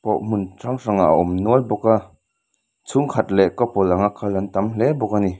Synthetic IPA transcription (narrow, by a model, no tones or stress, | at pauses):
pɔʔmuntraŋraŋaʔaʔɔmnɔlbɔka | t͡sʰuŋkʰat̪̚lɛʔkɔpɔlaŋakʰalant̪amlɛbɔkani